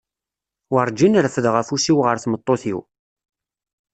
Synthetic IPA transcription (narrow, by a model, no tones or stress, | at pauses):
wəɾˤd͡ʒinəɾfəðʁæfusiwʁəɾθmət̪ˤːoθḭw